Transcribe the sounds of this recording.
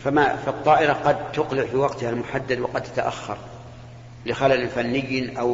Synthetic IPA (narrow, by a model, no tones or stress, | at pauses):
famafat̪ˤːɑːʔɪɾɑqɑd̪̚t̪ʊqlɪʕfiwɑqt̪ɪhalmʊħad̪ːad̪wɑqɑd̪̚t̪ḁt̪aʔa̰xːɑ̰ɾˤ | lɪxalalɪlfanːɪjːnʔaw